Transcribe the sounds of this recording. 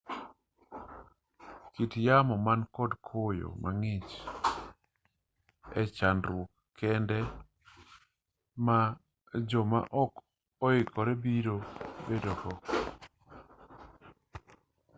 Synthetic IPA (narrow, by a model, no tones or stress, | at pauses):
kitjamɔmankɔdkʰojo̰maŋɪt͡ʃ | ɛ̰t͡ʃandɾwokːɛndɛ | ma | d͡ʒɔma̰ʔɔk | ɔɪkʰɔɾɛbiɾobedɔkɔ